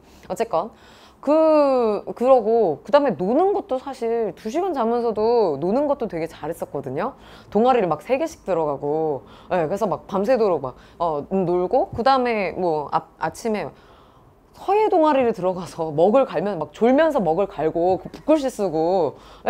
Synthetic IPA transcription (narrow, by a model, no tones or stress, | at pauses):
ʌt͡ɕ͈e̞k͈ʌn | kɯ | kɯɾʌɡokɯdaɯmenonɯnɡʌt̚t͈osʰaɕʰiɭtuɕʰiɡʌnt͡ɕamjʌnsʰʌdononɯnɡʌt̚t͈otwe̞ɡe̞t͡ɕaɾɦe̞s͈ʌt̚k͈ʌdɯɲo | toŋaɾiɾɯɭmak̚sʰe̞ɡe̞ɕʰi̥k̚t͈ɯɾʌɡaɡo | je̞kɯɾesʰʌmak̚pamsʰe̞doɾok̚mak̚ | ʌnoɭɡokɯdaɯme̞mwʌa̰a̰t͡ɕʰime̞ | sʰʌje̞doŋaɾiɾɯtɯɾʌɡasʰʌmʌɡɯɭkaɭmjʌnmak̚t͡ɕoɭmjʌns̬ʰʌmʌɡɯɭkaɭɡokɯpu̥k͈ɯɭɕ̬͈is͈ɯɡo